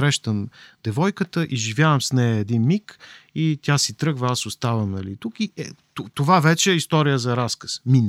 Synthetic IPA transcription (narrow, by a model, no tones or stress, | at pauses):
ɾɛʃt̪əmd̪̥ɛvɔjkət̪əʔiʒivʲjavəmsnɛjɐɛd̪inmikit̪ʲasit̪ɾɤɡvɐasost̪avəmnɐlit̪ukiɛt̪ot̪ovavɛt͡ʃɛɛist̪ɔɾijəzɐɾaskə̥smin